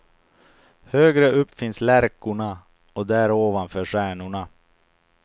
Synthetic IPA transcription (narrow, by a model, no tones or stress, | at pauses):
høːɡɾəʔɵpːfɪnslæɾkʊɳa | ɔd̪ɛæɾoːvanfœːʂæːɳʊɳa